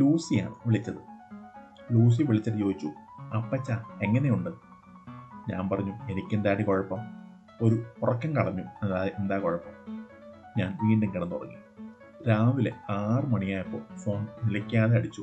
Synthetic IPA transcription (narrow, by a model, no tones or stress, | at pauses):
luːsija̰ːɳɨʋiɭit͡ɕːɐðɨ | luːs̬iʋiɭit͡ɕːɐðijo̞ːɡit͡ɕːuɐpːɐt͡ɕːaːe̞ŋːɐne̞juɳɖɨ | ɲa̰ːnpɐrɐɲːue̞nikʲːend̪aːɽiko̞ɻɐpːɐm | o̞ɾupurɐkːɐmkɐɭɐɲːuenaend̪aːkoɻɐpːɐm | ɲaːnʋiːɳɖɐŋɡɐɽɐnːt̪orɐ̰ŋːḭ | ɾaːʋile̞̰aːrɨmɐɳijaːjɐpːo̞̰ːfo̞ːnnilɐkʲːaːðeɐɽit͡ɕːu